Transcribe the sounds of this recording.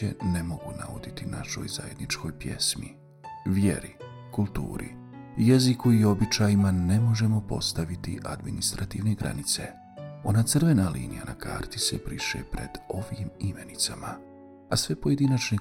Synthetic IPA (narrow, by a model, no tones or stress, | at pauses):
ḛnemo̞ɡuna̰ʋod̪it̪inaʃo̞̰jza̰je̞d̪nit͡ʃko̞jpje̞̰smḭ | ʋjḛɾi | kulˠt̪ṵːɾʔḭ | jezikuio̞bit͡ʃaːjimane̞mo̞ʒe̞mo̞po̞̰st̪aʋit̪iʔad̪minist̪ɾat̪iʋneɡɾʔa̰nit̪se̞ | o̞nat̪sɨrʋe̞nalḭːnija̰nakʰa̰ːɾt̪isepɾiʃḛpɾe̞̰d̪̥o̞ʋimime̞nit̪sama | asʋe̞po̞je̞d̪inat͡ʃne